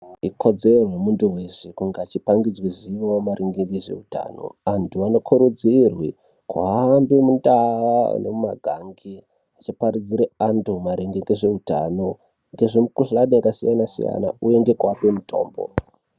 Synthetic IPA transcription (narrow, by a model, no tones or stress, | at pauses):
ikʰo̞d͡zerwemunduwe̞sekuŋɡaːt͡ʃipaŋɡid͡zwiziʋawomaɾʔeŋɡeɡeʐe̞̰uta̰no̞̰antʰuano̞kʰuɾud͡zirwi | kwa̰aːmbemundaʋa̰ne̞̰mumaɡʱaŋɡi | at͡ʃipaɾid͡ziɾeantʰumaɾeŋɡeŋɡeʐe̞uta̰no̞ | ŋɡe̞ʐemukuɬaɗeakasijanasḭja̰na̰uje̞ŋɡe̞kwapemuto̞̰ːmbo̰